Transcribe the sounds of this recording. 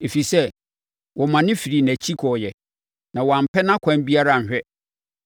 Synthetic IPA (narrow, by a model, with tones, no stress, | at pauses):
e˨fi˨sɛ˦ | wɔ˨mã˨nɪ̃˦fi˨ɾi˨næ˨t͡ɕʰi˦kʰɔ˨jɛ˨ | nã˨wɔ˨a˨m̩˨pʰɛ˦nã˦kʷʰã˦nbi˦a˦ɾa˦˨n̩˨ɕᶣɛ˦